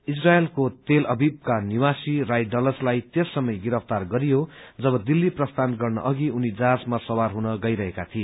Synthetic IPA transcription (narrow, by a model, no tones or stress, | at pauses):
israelkot̪elʌbib̚kaniwasirajɖʌlʌslajt̪esːʌmʌjɡiɾʌpʰt̪arɡʌɾijod͡zʌbʌd̪ilːiprʌst̪ʰanɡʌrnʌ̰ʔʌɡiunid͡zasmasʌwarɦunʌɡʌjɾʌɦekat̪ʰie